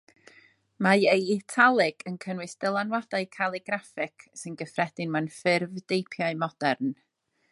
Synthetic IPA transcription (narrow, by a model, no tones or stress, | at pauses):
majejːtʰalˠɪɡ̥ənkʰənwɨsd̥əlˠanwad̥aɨkʰalˠɪɡɾafɪkʰsɨnɡəfrɛd̥ɪnmanfɪrvdejpʰjaɨmɔd̥ɛrn